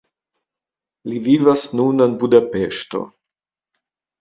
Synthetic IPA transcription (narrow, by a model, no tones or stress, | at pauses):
liviːvasnunənbud̪apeːʃt̪o̰